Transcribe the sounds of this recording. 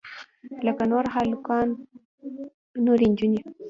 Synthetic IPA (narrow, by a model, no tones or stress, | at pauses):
lakanoɾaɦalukan | nuɾiɲd͡ʒuɲi